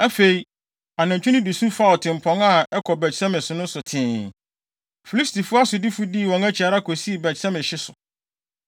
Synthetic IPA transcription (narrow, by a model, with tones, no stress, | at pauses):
æ˦fe˨i˨ | a˨nã˨ɲ˨t͡ɕᶣu˦nɪ̃˦du˨sũ˦fa˦˨ɔ˨tʰɪ̃˨m̩˨pʰɔ̃˦ŋa˨ɛ˦kʰɔ˨bɛ˨sɛ̃˦mɪ̃˨sʊ˨nʊ̃˦sʊ˨tʰɪ̃ː˨ | fi˨li˦sti˨fʊ˦a˦sʊ˨dɪ˦fʊ˦di˦˨wɔ̃˨ŋæ˦t͡ɕʰi˨a˨ɾa˦kʰo˨si˦˨bɛ˨sɛ̃˦mɪ̃˨ɕɪ˦sʊ˨